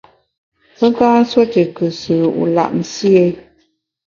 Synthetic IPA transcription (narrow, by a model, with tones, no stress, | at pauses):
pə˦ŋkaː˦n̩˦swo˦te˨kɨ˨sɨː˨ṵ˨la̰˨ʔn̩˨si˦e˦